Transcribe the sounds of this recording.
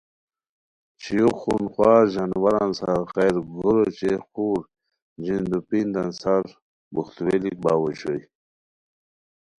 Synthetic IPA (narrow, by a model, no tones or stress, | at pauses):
t͡ɕʰijuxunxwɑːʑanwaɾansaɾxajɾɡʱuɾot͡ɕexuːɾ | d͡ʑind̪upind̪ansaɾ | buxt̪welik̚baːwoɕoj